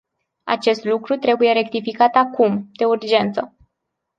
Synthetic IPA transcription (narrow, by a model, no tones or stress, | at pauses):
a̰t͡ʃe̞st̪lukɾut̪ɾe̞buje̞ɾe̞kt̪ifikat̪akumd̪̥e̞urd͡ʒe̞nt̪sə